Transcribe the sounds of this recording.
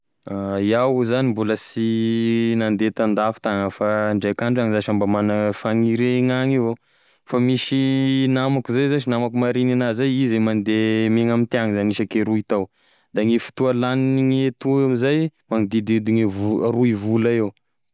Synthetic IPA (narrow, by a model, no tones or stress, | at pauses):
ajawzanimbuləsinand̪et̪and̪afi̥t̪aŋəfaɳɖ͡ʐekaɳɖ͡ʐaŋizaʃambamanafaŋiɾeŋaŋevo | famiʃinamakuzajzaʃinamakumaɾinanazajizemand̪emeŋamint̪iaŋizaniʃakeɾuit̪aw | d̪aŋefi̥t̪ualaniiŋet̪uamizajmaŋid̪id̪id̪iŋevruivulaew